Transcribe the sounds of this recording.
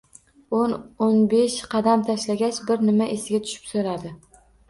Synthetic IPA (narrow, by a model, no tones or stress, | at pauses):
ononbeʃqʰɑd̪amt̪ʰaʃlaɡʲat͡ʃbɪɾnɪmaʔesɪɡʲat̪ʰʊ̥ʃɪ̥psoɾad̪ɪ